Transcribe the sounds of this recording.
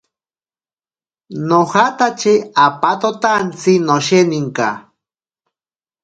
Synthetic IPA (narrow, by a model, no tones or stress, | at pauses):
nohat̪at͡ʃeapat̪ot̪ant͡sinoʃeniŋka̰